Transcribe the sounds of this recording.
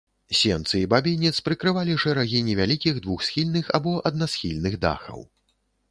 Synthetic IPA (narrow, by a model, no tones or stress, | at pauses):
sʲɛnt̪sɨibabʲinʲɛt̪spɾɨkɾɨvalʲiʂɛɾaɣʲinʲɛvʲalʲikʲiɣd̪vuxsxʲilʲnɨxabɔʔɐd̪̚nasxʲilʲnɨɣd̪a̰xɐ̰w